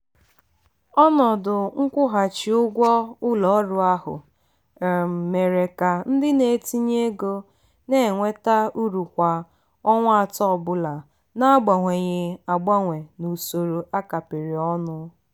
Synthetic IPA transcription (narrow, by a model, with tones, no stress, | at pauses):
ɔ˦nɔ˨dʊ˨ŋ̩˦kʷʊ˦ɦa˨t͡ʃɪ˨ʊ˦ɡʷɔ˦ʊ˦lɔ˨˦ɾʊ˨a˦ɦʊ̰˨ | m̩˨me˨ɾe˨ka˨n̩˦dɪ˦ne˨ti˦ɲe˦ɡo˦ | ne˦˨ŋʷe˦ta˦u˦ɾu˨kʷa˨ | ɔ˦ŋʷ˦a˦˨tɔ˦˨bʊ˦la˨ | na˦ɡ͡ba˨ŋʷe˨ɲɪ˦a˨ɡ͡ba˦ŋʷe˨nu˨so˨ɾo˨ʔa˦ka˨pɪ˨ɾɪ˨ɔ˦nʊ˦